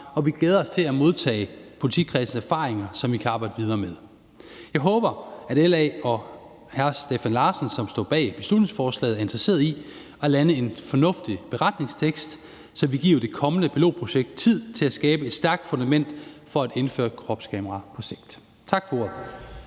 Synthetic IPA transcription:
ɒ̽ʋiɡ̥leːð̞ˠɐɒ̽st͡sʰe̝læmo̝ð̞ˠt͡sʰɛ̰ːpʰo̝lit͡sʰikʰʁɛsn̩sæɐfɑ̈ːʁeŋɐsɒ̽mʋikʰæɑ̈ːb̥ɑ̈ɪd̥əʋið̞ˠɐːmeð̞ˠ | jɑ̈ɪɦɔ̽ːb̥ɐæɾ̥elɛɒ | hæɐsd̥efænlɑ̈ːsnsɒ̽msd̥ɔ̰ːb̥ɛ̰ːb̥e̝slud̥ne̝ŋsfɒːslɛ̰ɪð̩æɐe̝nd̥ʁɐse̝̰ːɐðˠi | ɒlænəe̝nfɒ̽nɔ̽fd̥ib̥e̝ʁɑ̈d̥ne̝ŋst͡sʰeɡ̥sd̥ | sɒ̽ʋiɡ̥ḭːɐʊɐd̥e̝kʰɒ̽mənəpʰilo̝ʊ̰̥ːpʰo̝ɕeɡ̥̚d̥̚t͡sʰið̞̰ˠt͡sʰe̝læsɡ̥ɛːb̥əe̝d̥sd̥æɐɡ̥̚d̥fo̽nd̥æmen̰d̥ | fɒ̽æd̥e̝nfø̰ːɐkʰʁɒ̽b̥skʰɛmɐʁɑ̈pʰɒ̽seɡ̥̚d̥ | t͡sʰɑ̈ɡ̥fɒ̽o̝ɐ̰ðˠ

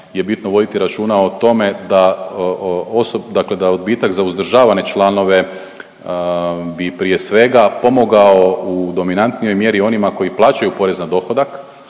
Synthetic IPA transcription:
je̞bit̪noʋo̞d̪it̪iɾat͡ʃuːnaot̪o̞me̞d̪a | osod̪akle̞d̪aod̪biːt̪akzauzd̪ɾ̩ʒaːʋane̞t͡ʃlˠano̞ʋe̞ | bipɾije̞sʋe̞ɡapo̞mo̞ɡao̞ud̪o̞minant̪nijo̞jmje̞ɾio̞nimako̞jiplˠaːt͡ʃajupo̞ɾe̞znad̪o̞xo̞d̪ak

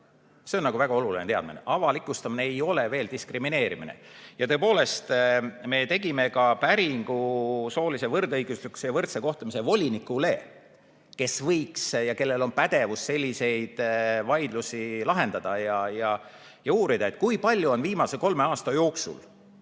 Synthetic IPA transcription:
se̞o̞nnɑɡuvæɡ̥ɑo̞lulinet̪eɑ̰d̪̥minḛʔɑvɑlikːˑust̪ɑmineejo̞le̞ve̞ːld̪iskrimine̞ːɾiminḛjɑt̪ɤ̞epo̞ːle̞st̪me̞t̪e̞ɡ̥ime̞kɑpæɾiŋɡ̥uso̞ːlise̞vɤrd̪ɤjɡ̥uslikːu̥sejɑvɤrt̪se̞ko̞ht̪umisevo̞lʲinikːˑule̞ | ke̞svɤjksjɑke̞lːe̞lo̞npæd̪̥e̞vusːe̞lʲːise̞jd̪̥vɑjd̪̥lusilɑɦe̞nd̪̥ɑd̪̥ɑjɑjɑ | jɑuːɾid̪̥ɑe̞t̪ːˑkujpɑlʲjuo̞nviːmɑseko̞lme̞ɑːst̪ɑjo̞ːksṵl

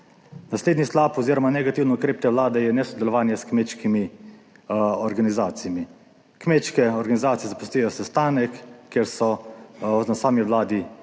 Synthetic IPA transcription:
nasleːd̪nislaːpɔziːɾɔmanɛɡat̪iːwnɛukɾeːp̚t̪ɛʋlaːd̪ɛjɛnɛsɔd̪ɛlɔʋaːnjɛskmet̪ʃkimi | ɔɾɡanizaːt̪ijami | kmeːt̪ʃkɛɔɾɡanizaːt̪ijɛzapu̥st̪ijɔsɛst̪aːnɛkːeɾsɔ | nasaːmiʋwlaːd̪i

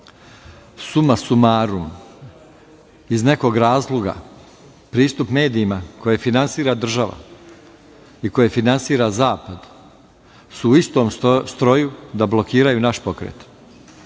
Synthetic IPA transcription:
sumasumaːɾum | izne̞ko̞ɡɾaːzlˠoɡa̰ | pɾiːst̪upme̞ːd̪iːmako̞je̞finansiːɾad̪r̩ʒaʋa̰ | iko̞je̞finansiːɾazaːpad̪ | suːist̪o̞ːmst̪ɾo̞jud̪ablo̞kiːɾajunaʃpo̞kɾḛːt̪

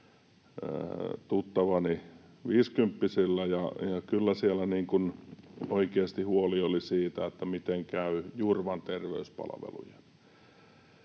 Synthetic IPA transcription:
t̪ut̪ːɑʋɑni | ʋiːskympːisilːæjɑjɑkylːæsielæniːŋkunoikeɑst̪ihuoliolisiːt̪æet̪ːæmit̪eŋkæyjurʋɑnt̪erʋḛyspɑ̰lɑʋḛlṵjen

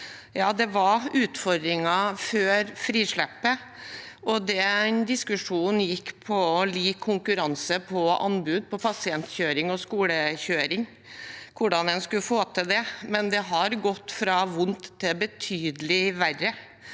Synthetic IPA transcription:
jɑːd̪ɛʋɑʉːt̪fɔɾd̪ɾɪŋɑføːɾfɾiːʂɭæpːə | ʔɔd̪ɛɛɪnd̪ɪskʉʂuːnjɪkːpʰɔɔliːkʰːʊŋkʉɾɑnsəpʰɔʔɑ̰nbʉːd̪̚pʰɔpʰɑsɪɛnt̪çøːɾɪŋɔskuːləçøːɾɪŋ | kʰʊɖɑnɛnskʉfoːt̪ʰɪd̪ɛmɛnd̪ɛɦɑɾɡɔt̪ːfɾɑʋʊnt̪ʰːɪbət̪ʰyːd̪əlɪʋærə

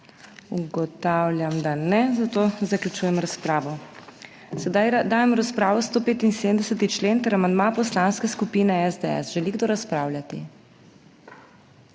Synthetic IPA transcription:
uɡɔt̪awljamd̪anɛzat̪ozaklʲut͡ʃuːjɛmɾaspɾaːʋɔ | sɛd̪ajd̪aːjɛmɾaspɾaːʋɔst̪oːpeːt̪insemd̪ɛsɛt̪it͡ʃleːnt̪ɛɾamand̪mapɔslanskɛskupiːnɛɛzd̪eɛ̰sʒɛliɡd̪oːɾaspɾaːwlʲjat̪i

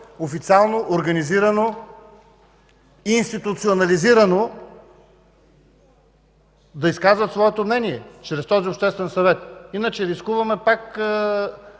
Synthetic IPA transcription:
ofit̪sialˠnoʔoɾɡɐniziɾɐno | iːnst̪it̪ut̪sionɐliziɾəno | d̪ɐiskazvɐt̪svɔɛt̪omnɛniɛt͡ʃɾɛst̪ɔziopʃt̪ɛst̪vɛnsɐvɛt̪inət͡ʃɛɾiskuvɐmɛpak

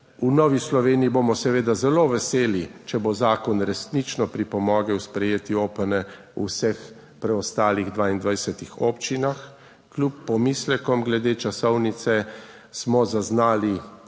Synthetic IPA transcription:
unɔːʋislɔʋeːniibomɔsɛʋeːd̪azɛloʋɛseːlit͡ʃɛbozaːkɔnɾɛsnit͡ʃnɔpɾipɔmɔːɡɛwspɾɛjeːt̪ioːpənɛ | ṵsɛx | pɾɛɔst̪aːliɣd̪ʋaind̪ʋajsɛt̪ixɔpt͡ʃinax | klʲjupːɔmislɛkɔmɡlɛd̪eːt͡ʃasɔwnit̪sɛ | smɔzaznaːli

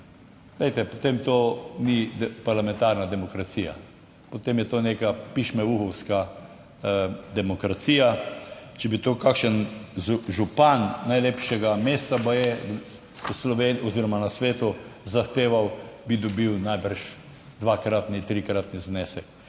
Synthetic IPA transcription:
ɡlɛjt̪ɛpot̪emt̪oːnid̪paɾlamɛ̃nt̪aɾnad̪ɛmɔkɾat̪siːja̰ | pot̪emjɛt̪oːnekapiʃmɛʋuxɔwska | d̪ɛmɔkɾat̪siːjat͡ʃɛbit̪oːkakʃənuʒupanːajleːpʃɛɡameːst̪apajɛ | slɔʋenɔziɾɔmanasʋeːt̪uzaxt̪eːʋawbid̪ɔbiwnajbəɾʃ | d̪ʋakɾat̪nit̪ɾikɾat̪niznɛsɛk

